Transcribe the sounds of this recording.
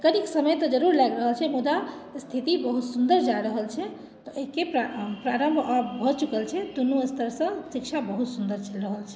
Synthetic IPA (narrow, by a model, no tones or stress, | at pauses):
kəniksəməjt̪ɔd͡ʒəɾuɾlɛɡɾəɦəlt͡ʃʰɛmud̪ast̪ʰit̪ibəɦut̪sund̪əɾd͡ʒaɾəɦəlt͡ʃʰɛ | t̪ɔʔəɦikeppɾaɾəmbʱabbʱɔt͡ʃukəlt͡ʃʰɛd̪unuəst̪ʰəɾsə̃sik̚t͡ʃʰabəɦut̪sund̪əɾt͡ʃʰɛlɾəɦəlt͡ʃʰɛ